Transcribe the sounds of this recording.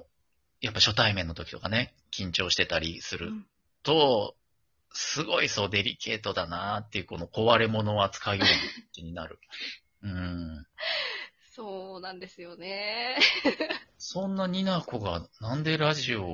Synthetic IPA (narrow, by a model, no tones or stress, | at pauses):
japːaɕo̞t̪aimẽ̞nːo̞t̪o̞kʲi̥t̪o̞kane̞ | kʲĩɲ̟t͡ɕo̞ːɕi̥t̪e̞t̪aɾʲisɨɾɯ̟ | t̪o̞ | sɨɡo̞iso̞ːd̪e̞ɾʲḭke̞ːt̪o̞d̪anat̪ːe̞iɯ̟ko̞no̞ko̞βaɾe̞mo̞no̞at͡sɨ̥kaijo̞ːmikiɲ̟inaɾɯ̟ | ɯ̟̃ɴ | soːnãnd̪e̞sɨjo̞ne | sõ̞nːaɲ̟inako̞ɡanãnd̪e̞ɾaʑio̞